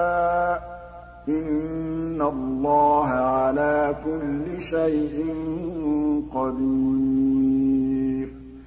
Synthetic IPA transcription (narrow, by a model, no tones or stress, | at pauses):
ʔɪnː | alːɑːɦaʕalaːkʊlːɪʃajʔɪn | qɑd̪i | ɾ